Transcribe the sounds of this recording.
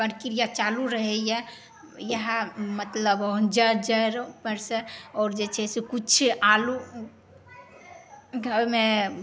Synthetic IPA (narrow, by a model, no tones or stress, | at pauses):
pəɾkiɾijat͡ʃaluɾəɦɛjɛ | jəɦãmət̪ləbd͡ʒaɾd͡ʒəɾpəɾseɔːɾd͡ʒet͡ʃʰɛsekut͡ʃʰalu | ɡʱəbmẽ